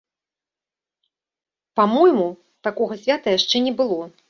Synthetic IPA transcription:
pamɔjmu | t̪akɔɣɐsʲvʲat̪ɐjaʂt͡ʂɛnʲɛbɨlˠɔ

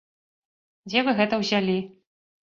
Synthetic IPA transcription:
d͡zʲɛvɨɣɛt̪ɐwzʲalʲi

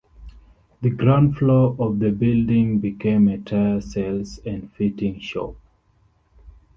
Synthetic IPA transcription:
ðəɡɹãʊ̃ndfloʔɔvðəbildĩŋbikʰẽmetʰaɪəsɛlsæ̃ndfitɪ̃ŋʃo̰p̚

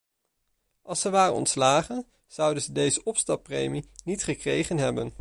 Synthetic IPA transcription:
ʔɑlˠsəʋaːrə̰nɔ̰ntslaːχən | z̥ʌwdənzədejzəʔɔpstɑpːrejminitχəkrejχənɦɛbən

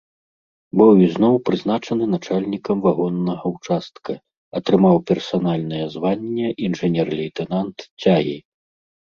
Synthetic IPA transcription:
bɨwiznɔwpɾɨznat͡ʂɐnɨn̪at͡ʂalʲnʲikɐmvaɣɔnːɐɣɐwt͡ʂast̪̚kʰɐ | ɐt̪ɾɨmawpʲɛrsanalʲnɐjɛzvanʲːɛʔinʐɛnʲɛrlʲɛjt̪ɛnant̪t͡sʲaɣʲḭ

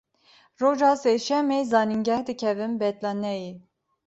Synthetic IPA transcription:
roʒɑsɛʃɛmejzɑːniŋɡɛhd̪ɨkʰɛvɨmbɛt̪lɑnɛji

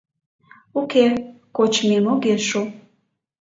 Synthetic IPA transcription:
ukʰekʷot͡ʃʰmemoɡeʂo

